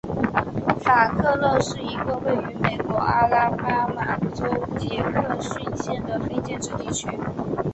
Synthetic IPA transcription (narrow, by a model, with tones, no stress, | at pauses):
fa˨˩kʰɤ˥˧lɤ˥˧ʂɻ̩˥˩i˧˥ɡə˧we˥˩ɪy˧˥me˨˩ɪkwɔ˧˥ʔa˥la˥pa˥ma˨˩ʈ͡ʂo˥ʊt͡ɕjɛ˧˥kʰɤ˥˧ɕy˥˧nɕjɛ˥˩nd̪ə˩fe˥ɪt͡ɕjɛ˥˧nʈ͡ʂɻ̩˥˧t̪i˥˩t͡ɕʰy˥